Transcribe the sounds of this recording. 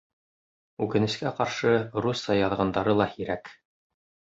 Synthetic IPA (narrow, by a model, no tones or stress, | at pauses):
ʉkɘ̆nɘ̆skæqɑɾʃɤɾusɑjɑðʁɑnd̪ɑɾɤlˠɑhiɾæk